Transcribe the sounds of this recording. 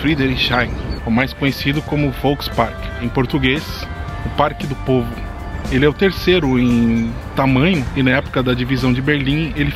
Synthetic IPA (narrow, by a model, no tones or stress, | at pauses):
fɾid̪eɾiʃajʊmajskõɲesid̪ʊkõmʊfowkspaɾkɪ̥ẽj̃poɾt̪uɡes | ʊpaɾkɪd̪ʊpovʊ | elɪɛʊt̪eɾsejɾʊẽj̃ | t̪amɐ̃ɲʊɪnɐɛpʊ̥kɐd̪ɐd͡ʒivizɐ̃w̃d͡ʒɪbeɾlĩelɪ